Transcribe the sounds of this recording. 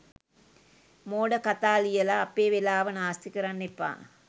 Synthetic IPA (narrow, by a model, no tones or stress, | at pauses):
moːɽɐkɐt̪aːlijɐlaːpːeːʋelaːʋɐnaːst̪ikɐɾɐnːipːa̰ː